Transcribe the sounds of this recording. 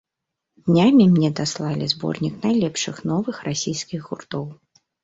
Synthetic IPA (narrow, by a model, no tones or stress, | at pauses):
d̪nʲamʲimnʲɛd̪aslˠalʲizbɔ̰rnʲiknajlʲɛpʂɨxnɔvɨxrasʲijskʲiɣɣurt̪ɔw